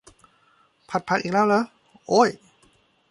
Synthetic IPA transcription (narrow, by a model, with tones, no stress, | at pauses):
pʰa˧˩t̪̚pʰa˧˥kʔiː˨˩k̚lɛː˥˩wlɤː˦˥ | ʔoː˧˥˩j